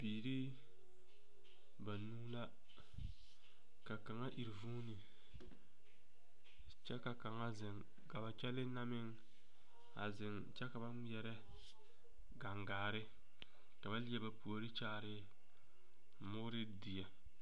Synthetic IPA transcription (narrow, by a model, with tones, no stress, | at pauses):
biː˨ɾi˦ | ba˨nuː˦la˦ | ka˨ka˨ŋa˦ʔi˨ɾvuː˦nɪ˨ | t͡ʃɛ˦ka˨ka˨ŋa˦zɪ˨ŋ | ka˨ba˨t͡ʃɛ˦lɪ˦na˦mɪ˦ŋ | a̰˨zɪ˨ŋ | t͡ʃɛ˦ka˨ba˦ɛ˨ɾɛ˦ | ɡa˨ŋɡaː˨ɾɪ˦ | ka˨ba˦li˦ɛ˨ba˨pu˨o˨ɾɪ˦t͡ʃaː˦ɾɪ˦ | mʊ˦ɾɪ˦di˨ja˨